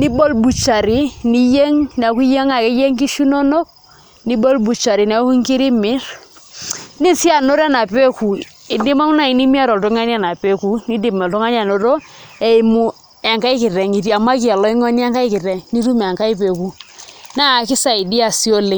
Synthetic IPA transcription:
ni˦bo˦lbu˨t͡ʃa˨ɾi˨˦ni˦je˦ŋn˨a˨˦ku˦je˦ŋa˨kɛ˦je˦ŋki˦ʃu˦no˦no˦k̚ | ni˦bo˦lbu˨t͡ʃa˨ɾi˨na˨˦ku˦ŋki˦ɾi˦mɪ˦ɾ | ni˦si˦a˨no˦ɾa˦na˨pe˦ku˨ | i˨ndi˦ma˦ŋu˦na˦i˨ni˦mi˦a˦ɾo˨lto˦ŋa˦ni˦a˦˨na˨pe˦ku˦ni˦di˦˨mɛ˨ltɔ˦ŋa˦n˦a˨no˨ɾo˦ | e˨i˨˦mu˦ | a˨ŋka˦i˦kɪ˨ɾɛ˨ŋi˨ti˨a˨ma˦ki˨a˨lɔ˨˦i˦ŋɔ˦n˦a˦ŋka˦i˦kɪ˨ɾɛ˨ŋni˦tu˦m˨a˨ŋka˦i˦pe˨ku˨˦na˦˨kɪ˦sa˨i˨di˦a˨si˦o˦le˨˦

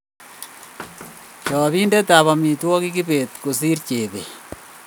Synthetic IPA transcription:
t͡ʃɔːβiː˦nde˦ta˨βɔ˨mi˨twɔ˦kikibe˨t̪ku˨s̬i˦rt͡ʃeː˨βḛ˨

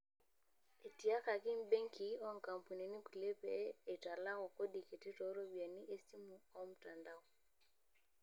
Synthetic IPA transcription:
e˨ti˨a˦ka˨ki˦m˦be˦ŋki˨ɔ˦ŋ˨ka˨m˨pu˨ni˨ni˦ku˨le˦pɛː˨˦˨ta˨la˦ɣɔ˨ko˦di˨ke˨ti˦tɔ˨˦ɾo˦bi˨a˨ni˦ʔe˦si˦mu˨ɔ˦m̩˨ta˨nda˦ɔ˨

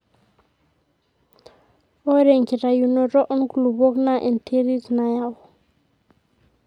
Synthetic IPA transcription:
o˦ɾe˨ŋki˨ɾa˨ju˨nɔ˨ɾɔ˦ʔɔ˦nku˨lu˨bo˦kna˦˨ʔe˨n˨tʰe˦ɾi˦tu˨na˨ja˦˨wɔ˨

